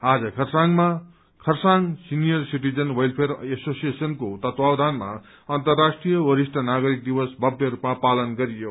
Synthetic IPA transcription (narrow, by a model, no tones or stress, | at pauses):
ad͡zʌkʰʌrsaŋma | kʰʌrsaŋsinijʌrsiʈid͡zʌnwʌjlpʰeɾesosijesʌnkot̪ʌt̪wawd̪ʱanma̰ | ʌnt̪ʌrːasʈrijʌwʌɾisʈʰʌnaɡʌɾik̚d̪iwʌsbʱʌbjʌɾupmapalʌnɡʌɾijo